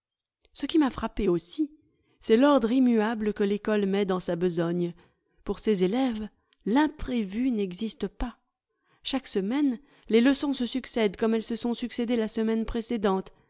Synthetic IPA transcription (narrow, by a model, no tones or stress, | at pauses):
səkʲimafχapeosi | sɛlɔʁd̪ʁimyabləkəlekɔlmɛd̪ɑ̃sabəzɔɲ | puʁsezelɛv | lɛ̃pχevynɛɡzist̪əpa | ʃaksəmɛn | leləsɔ̃səsyksɛd̪kɔmɛlsəsɔ̃syksed̪elasəmɛnpχesed̪ɑ̃t̪